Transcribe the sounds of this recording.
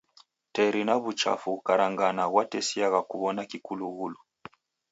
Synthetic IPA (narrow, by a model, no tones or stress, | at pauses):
tɛɾinaβut͡ʃa̰fukaɾaŋɡanaɣwatɛsiaɣakuβɔnakikuluɣulu